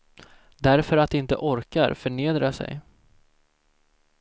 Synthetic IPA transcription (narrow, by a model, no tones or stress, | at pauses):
d̪æɾfœɾat̪d̪ɛɪnt̪ə̰ʔɔɾka̰ɾfœɳeːd̪ɾasɛ̰j